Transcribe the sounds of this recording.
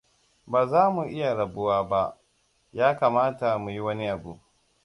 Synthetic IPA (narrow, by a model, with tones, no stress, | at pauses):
baː˨zaː˦mu˨ʔɪ˦ja˨ɽɐ˨bʊ˦waː˦ba˦ʔ | jaː˦kaː˨maː˦ta˨mu˨ji˦wɐ˦ni˦ʔa˨bṵ˨